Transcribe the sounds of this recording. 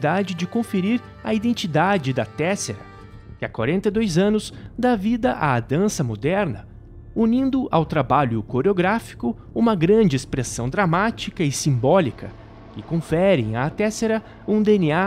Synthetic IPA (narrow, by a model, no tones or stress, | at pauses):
d̪ad͡ʒɪd͡ʒɪkõfeɾiɾ | ɐid̪ẽnt͡ʃid̪ad͡ʒɪd̪ɐt̪ɛseɾɐ | kɪakwa̰ɾẽnt̪ɐjd̪ojzɐ̃nʊz̥d̪avid̪ɐʔa̰d̪ɐ̃sɐmod̪ɛɾnɐ | unĩnd̪ʊʔawt̪ɾabaʎʊkoɾeoɡɾafi̥kʊ | ũmɐɡɾɐ̃d͡ʒɪespɾesɐ̃w̃d̪ɾamat͡ʃikɐɪsĩmbɔlikɐ | kɪkõfɛɾɪ̰̃j̃at̪ɛseɾɐ | ũd̪eenia